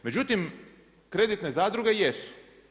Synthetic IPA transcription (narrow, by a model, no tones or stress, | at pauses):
me̞d͡ʑut̪im | kɾed̪it̪ne̞zaːd̪ɾuɡejesu̥